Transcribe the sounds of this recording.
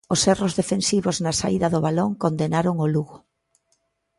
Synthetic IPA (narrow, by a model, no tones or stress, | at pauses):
osɛrozðefensiβoznɐsaiðɐðʊβaloŋkond̪enaɾoŋoluɣʊ